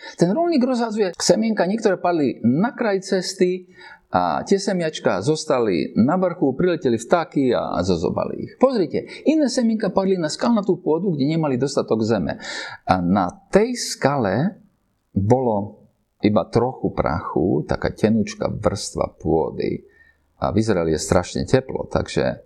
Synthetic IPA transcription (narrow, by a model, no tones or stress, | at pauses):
t̪ɛnɾɔlɲʲiːɡɾɔzɦad͡zujɛsɛmɪɛŋkaɲɪɛkt̪ɔɾɛːpad̪linakɾajt͡sɛst̪i | a̰cɪɛsɛmɪat͡ʃka̰zɔst̪alḭnaʋr̩xupɾilɛcɛlift̪akia̰zɔzɔ̰ba̰lḭḭxpɔzɾicɛinɛːsɛmiŋkapad̪linaskalunat̪uːpʊɔd̪uɡɟɛɲɛmalid̪ɔst̪at̪ɔɡzɛmɛ̰anat̪ɛjskalɛ | bɔlɔ | ibat̪ɾɔxupɾa̰xut̪a̰ka̰ːcɛnut͡ʃka̰ʋr̩st̪ʋa̰pʊɔ̰d̪ḭ | a̰vizɾaɛlijɛst̪ɾaʃɲɛ̰cɛplɔ̰t̪a̰ɡʒ̥ɛ̰